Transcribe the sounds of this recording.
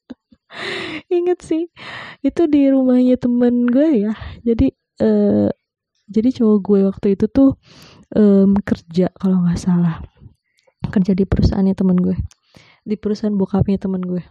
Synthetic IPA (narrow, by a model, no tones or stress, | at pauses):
iŋət̪sɪhit̪udiɾumahɲat̪əmənɡuɛjad͡ʒadi | ʔəː | d͡ʒadit͡ʃooɡuɛwak̚t̪uit̪ut̪ʊh | ʔəmkərd͡ʒakaloŋasalah | kərd͡ʒadipəɾusa̰ʔanɲat̪əmənɡuɛ | dipəɾusaanbuakapɲat̪əmənɡuɛ